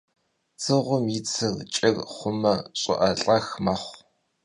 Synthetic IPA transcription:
t͡sʰɨʁʷʊmit͡sʰɨrt͡ʃʼɪrχʷʊmɐɕʼʊ̰ʔɐɬʼɐxmɐχʷ

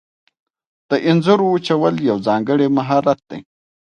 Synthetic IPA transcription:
d̪̥əʔɪnzʊɾout͡ʃawəljawzɑŋɡəɽemaɦɑɾat̪̚d̪̥ḛj

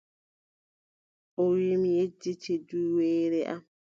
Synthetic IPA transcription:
ʔɔwimjed͡ʒːit͡ʃɛduweːɾɛʔam

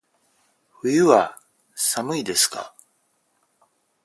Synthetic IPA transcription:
ɸɯjɯβa | samɯ̟id̪e̞sɨ̥ka̰

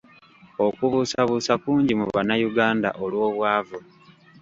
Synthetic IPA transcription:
o̞kuβusaβusakuːɲɟimuβanajuɡaːnda̰ʔolwo̞ːβwaːvu

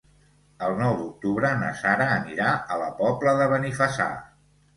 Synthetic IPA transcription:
əlˠnɔwðuk̚t̪uβɾənə̰saɾəːniɾaələpɔpləðəβənifəsa̰

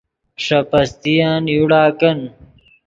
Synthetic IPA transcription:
ʂɐpɐst̪ijaːnjuɽaːkɐn

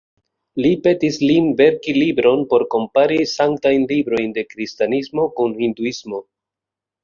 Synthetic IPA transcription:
lipe̞tislinve̞ɾkilibɾo̞npo̞ɾko̞mpaɾisaŋktajnlibɾo̞jnde̞kɾistanismo̞kunhinduismo̞

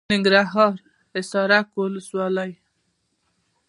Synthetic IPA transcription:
nɪŋɡɾaɦɑɾ | ɪsɑɾakwʊləswɑlaj

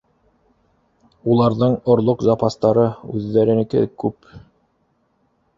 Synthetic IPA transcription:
ulˠɑɾðɤɴŏɾlˠoqzɑpast̪ɑɾɤʉðːæɾɘ̆nɘ̆kɘ̰kʉp

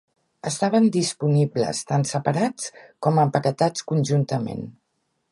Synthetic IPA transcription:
əst̪aβ̞ənd̪ispuniblə̰st̪ansəpəɾat͡skɔməmpəkət̪at͡skunʲʒunt̪əmḛn

